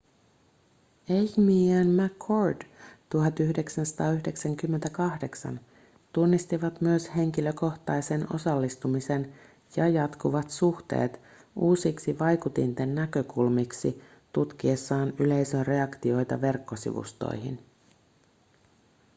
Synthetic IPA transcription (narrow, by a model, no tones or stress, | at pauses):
eçmiænmækʰːordt̪uɦɑt̪yçde̞ksænsɑ̥t̪ɑːyçde̞ksæŋk̟ymːent̪ækɑhde̞ksɑ̰n | t̪unːist̪iʋɑt̪myøshe̞ŋkilø̞ko̞ht̪ɑjse̞no̞̰sɑlːist̪umise̞n | jɑjɑt̪kuʋɑt̪suht̪e̞̰ːt̪ | uːsiksiʋɑjkut̪int̪enːækø̞kulmiksi | t̪ut̪k̟iesːɑːnyle̞jsønre̞ɑkt̪io̞jt̪ɑ̰ʋe̞rkːo̞sḭʋṵst̪o̰jɦḭn